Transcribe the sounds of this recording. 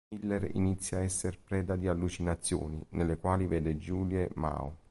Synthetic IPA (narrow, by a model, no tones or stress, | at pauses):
ilːerḭnit̪sːjaɛsːerpɾɛːd̪ad̪ialːut͡ʃinat̪sːjo̰ːninelːekwaːlivɛːd̪ed͡ʒuːljema̰ːṵ